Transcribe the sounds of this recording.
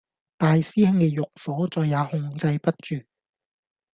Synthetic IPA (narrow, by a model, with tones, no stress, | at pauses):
t̪aː˨jsiː˥hɐ˥ŋkɛ˧jʊ˨k̚fɔː˨˥t͡sɔː˨jːaː˨˧hʊ˧ŋt͡sɐ˧jpɐ˥t̚t͡ʃyː˨